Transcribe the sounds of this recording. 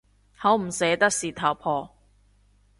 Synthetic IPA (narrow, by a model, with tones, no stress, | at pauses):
hɐ˨˥wm̩˨˩sɛː˨˧˥t̪ɐ˥k̚siː˨t̪ʰɐ˨˩wpʰɔː˧